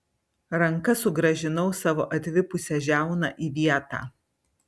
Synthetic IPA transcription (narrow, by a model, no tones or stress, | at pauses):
ɾɐŋkɐsʊɡɾɐʒʲɪnɒʊsɑːʋo̰ːʔɐt̪ʲʋʲɪpʊsʲɛʒʲæˑʊnɐʔiːʋʲiɛt̪ɑ̰ː